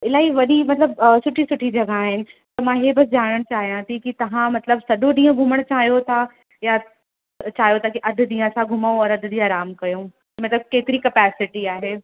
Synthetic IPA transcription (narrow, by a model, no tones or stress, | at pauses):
ɪlaːiʋɐɗimɐt̪ləbsʊʈʰisʊʈʰid͡ʒɐɡaːɦɪnɪ̆t̪ɐmãɦebɐsd͡ʒaːɽ̃əɽ̃t͡ɕaːɦijãt̪ʰikit̪ɐʋ̤ãmɐt̪ləbsɐɗõɗ̪ĩːõɡʱuməɽ̃t͡ɕaːɦijot̪ʰa | ja | t͡ʃaːɦijot̪ʰakiʔɐd̪ʱd̪ĩːãsãɡʱʊmoɔːɾɐd̪ʱd̪iːãːɾaːmkɐjõ | mɐt̪ləb̚keːt̪ɪɾikɐpɛːsɪʈiaːɦeː